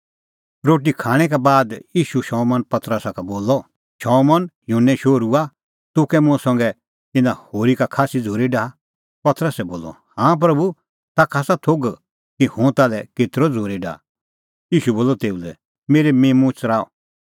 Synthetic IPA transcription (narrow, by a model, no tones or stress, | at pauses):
ɾoːʈikʰaːɽ̃ɛk̬ɛbaːd̪jiːʃuʃɔːmɔnpɐt̪ɾəsakaboːlɔ | ʃɔːmɔnjũːnːɛ̃ʃoːɾua | t̪ʊkɛmʊ̃sɐ̃ŋɡɛ | t̪ɪnãhoːɾikakʰaːsid͡zʱoːɾiɖaː | pɐt̪ɾəsɛboːlɔ̰ | hãːp̬ɾɐbu | t̪akʰaːsat̪ʰoɡ | kihʊ̃t̪alɛket̪ɾɔd͡zʱoːɾiɖa̰ː | jiːʃuboːlɔt̪eːulɛ̰ | meːɾemẽːmʊ̃t͡ʃɾaːɔ̰